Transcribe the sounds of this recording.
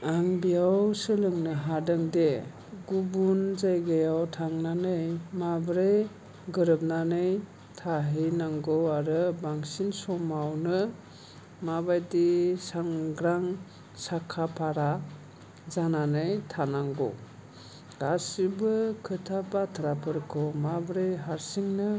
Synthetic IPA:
aŋbijawsɯlɯŋnɯɦadɯŋde | ɡubunzajɡajawtʰaŋnanɯjmabɾej | ɡɯɾɯp̚nanɯj | tʰaɦɯjnaŋɡɔwaɾɯbaŋsinsɔmawnɯ | mabajdisaŋɡɾaŋ | sakʰapʰaɾa | zananɯjtʰanaŋɡɔ̰ | dasibɯkʰɯtʰapatʰaɾapʰɯɾkʰɔmabɾejɦaɾsiŋnɯ

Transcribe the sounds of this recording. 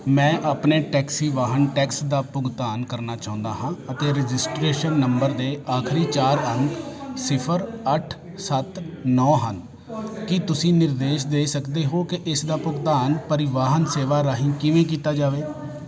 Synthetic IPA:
mɛ̃ːʔaːpneːʈɛːksiːʋaːɦənʈɛːksd̪aːpʊɡt̪aːnkəɾnaːt͡ʃãːʊ̃nd̪aːɦãːət̪eːɾɪd͡ʒɪsʈɾeːʃənːəmbəɾd̪eːʔaːkʰɾiːt͡ʃaːɾənsɪpʰəɾəʈʰ | sət̪nɔːɦən | kɪt̪ʊsĩːnɪɾd̪eːʃd̪eːsəkd̪eːɦoːkɪʔɪsd̪aːpʊɡt̪aːnpəɾɪʋaːɦənseːʋaːɾaːɦɪ̃ːkɪʋẽːk̬iːt̪aːd͡ʒaːʋeː

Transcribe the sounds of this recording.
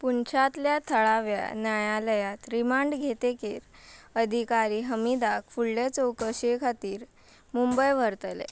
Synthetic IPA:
punt͡ɕʰat̪ljat̪ʰəɭaʋja̰njajaləjat̪ɾimaɳɖɡʱet̪ekeɾ | əd̪ʱikaɾiːɦəmid̪akfulːet͡sowkəɕekʰat̪iːɾ | mumbəjʋ̤əɾt̪əlḛ

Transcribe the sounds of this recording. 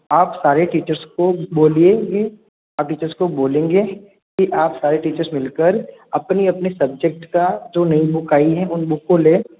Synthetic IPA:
aːpsaːɾeʈiːt͡ʃəɾskoboːlieɡe | aːp̚ʈiːt͡ʃəɾskoboːlẽːŋɡeː | kiʔaːpsaːɾeʈiːt͡ʃəɾsmɪlkəɾɐpniɐpnesɐb̚d͡ʒək̚ʈkad͡ʒoːnɐĩbʊkaːiɦɛ̃ʔʊnbʊkõleː

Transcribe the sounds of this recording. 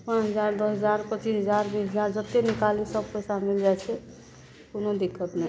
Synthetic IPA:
pãt͡ʃɦəd͡ʒaɾd̪ɔsɦəd͡ʒaɾpət͡ʃisɦəd͡ʒaɾbĩɦəd͡ʒaɾd͡ʒət̪enikalisəb̚pəsamild͡ʒajt͡ʃʰɛ | kunod̪ikʰːət̪na

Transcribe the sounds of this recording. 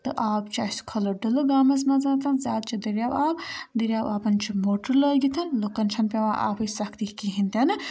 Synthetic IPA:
t̪ɨ̰ʔaːb̚t͡ʃaskʰɐloɖəloɡaːmɐs̬mɐzat̪ʰɐnzʲaːd̪̚t͡ʃʰid̪ɐɾʲjaːbaːbd̪iɾʲjaːbaːpɐnt͡ʃʰimoːʈɐɾləɡit̪ʰɐnlokɐnt͡ʃʰɐnpeʋãʔa̰pʰɨjsɐkʰt̪ikiɦint̪ʲɐn

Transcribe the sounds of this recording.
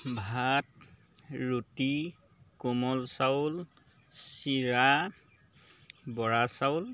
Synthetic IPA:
bʱat̚ | ɹuti | kumɔlsawl | siɹa | bɔɹasawʊl

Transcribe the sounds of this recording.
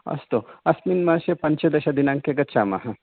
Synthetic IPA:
ɐ̰st̪oɐsminmaːʃepɐɲt͡ʃɐd̪ɐʃɐd̪inãŋkeɡɐt̪ʃaːmɐ̰ɦɐ

